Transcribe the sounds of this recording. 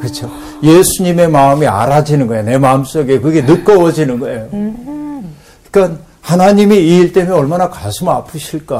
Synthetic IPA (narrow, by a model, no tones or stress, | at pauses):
kɯt͡ɕʰo | jesʰuɲime̞maɯmia̰ɾad͡ʑinɯnɡʌejone̞maɯms͈oɡekɯɡe̞nɯt̚k͈ʌwʌd͡ʑinɯnɡʌejo | kan | hanaɲimiːɭt͈e̞mjʌʌɭmanakasʰɯmapʰɯɕʰiɭk͈a